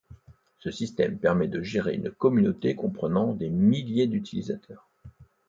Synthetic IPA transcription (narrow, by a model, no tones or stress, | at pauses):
səsist̪ɛmpɛʁmɛd̪əʒeʁḛy̰nkɔmynot̪ekɔ̃pχənɑ̃d̪emiljed̪yt̪ʰilizat̪ʰœːʁ